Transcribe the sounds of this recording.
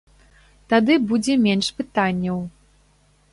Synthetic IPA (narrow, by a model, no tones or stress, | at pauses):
t̪ad̪ɨbud͡zʲɛmʲenʂpɨt̪anʲːɐw